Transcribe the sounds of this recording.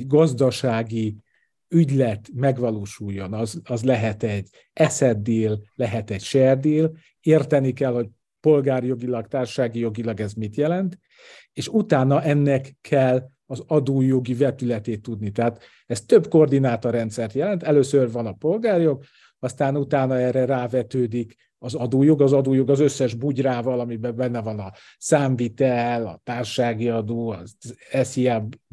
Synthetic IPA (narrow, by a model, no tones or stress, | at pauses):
ɛɟɡɒzd̪ɒʃaːɡi | yɟlɛt̪mɛɡʋɒloːʃujːo̞nɒzɒzlɛɦɛt̪ɛɟː | ɛsɛd̪ːeːllɛɦɛt̪ɛcʃɛrd̪eːl | eːrt̪ɛnikɛlho̞c̚ | po̞lɡaːrjo̞ɡilɒkt̪aːrʃaːɡijo̞ɡilɒɡɛzmit̪jɛlɛnt̪ | eːʃut̪aːnɒʔɛnːɛkʰːɛlː | ɒzɒd̪oːjo̞ɡivɛt̪ylɛt̪eːt̪ːud̪nit̪ɛɦat̪ | ɛst̪øbko̞rd̪inaːt̪orɛnt̪sɛrt̪jɛlɛnt̪ɛløːsørvɒnɒpo̞lɡaːrjo̞ɡ̚ | ɒst̪aːnut̪aːnɒɛːrɛraːvɛt̪øːd̪ik | ɒzɒd̪oːjo̞ɡɒzɒd̪oːjo̞ɡɒzø̞sːɛʒbuɟraːvɒlɒmibɛbɛnːɛvɒnɒ | saːɱvit̪ɛlɒ̰t̪aːrʃaːɡiɒd̪oːɒɛsiab